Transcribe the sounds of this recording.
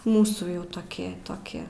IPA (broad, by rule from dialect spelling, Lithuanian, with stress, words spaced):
ˈmuːsuː ˈjɛʊ toːˈkʲɪ toːˈkʲɪ